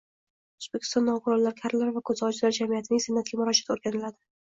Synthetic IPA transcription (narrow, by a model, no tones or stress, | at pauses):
ozbekʲʰɪst̪ɒnːɒqʰʊɾɒllaɾkʲʰaɾlaɾvakʰɵzɒt͡ʃɪlaɾd͡ʒamijat̪ʰɪnɪŋsɪnːat̪̚ɡʲamʊɾɒd͡ʒḁt̪oɾɡʲanɪlad̪ɪ